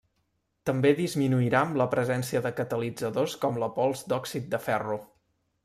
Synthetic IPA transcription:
t̪əmbeðizminuiɾaəmləpɾəzɛnsiəðəkət̪əlid͡zəðoskɔmləpɔlˠzd̪ɔksit̪̚d̪əfɛru

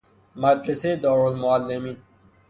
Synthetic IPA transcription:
mad̪ɾesed̪ɔːɾolmoalːemiːn

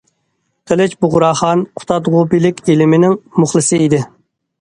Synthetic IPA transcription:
t̪ʰelɪt͡ʃbʊʁʊɾɑːχɑnqʰʊ̥t̪ʰɑd̪ʁubilɪkʲʰelɪmɪnɪŋmʊχlˠɨsɨid̪ɪ

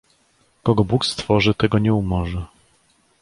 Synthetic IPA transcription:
kɔɡɔbukst̪fɔʐɘt̪ɛɡɔɲɛumɔʐɛ

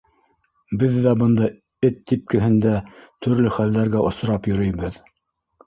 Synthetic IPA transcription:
bɘðːæbɤ̆nd̪ɑ | ɘt̪ːip̚kɘ̆ɦɘ̆nd̪æt̪ʰɵ̆ɾlɘχæld̪æɾɡæʔŏs̆ɾɑpjɵ̆ɾɵ̆jβɘð

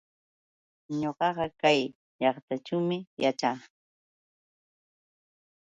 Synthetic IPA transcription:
ɲoɢɑɢɑkaj | ʎɑχt̪at͡ʃawmɪjat͡ʃaː

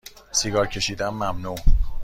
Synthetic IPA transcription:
siɡɒːɾcʰe̞ʃiːd̪ænmæmnuː

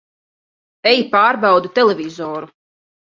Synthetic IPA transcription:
ɛjipaːɾbɑwd̪ut̪ɛlɛvʲizɔːɾu

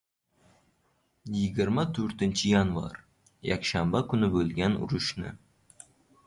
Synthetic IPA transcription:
jɪɡʲɪɾmat̪ʰɵɾt̪ɪnt͡ʃʰɪjanvɑ̰ɾ | ja̰kʲʃambakʰʲʊnɪbɵlɡʲanʊ̰ɾʊʃnɪ̰

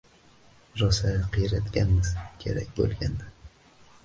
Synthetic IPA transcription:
ɾɒsajqʰɨjɾat̪ɡʲanmɪzkʲʰe̞̰ɾa̰kʲbo̰lˠɡʲand̪a

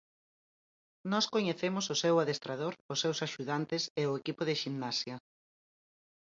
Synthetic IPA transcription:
nɔskoɲeθemʊsʊsewaðest̪ɾað̞oɾʊsewsaʃuðant̪ɪseʊekipʊðɪʃimnasjɐ

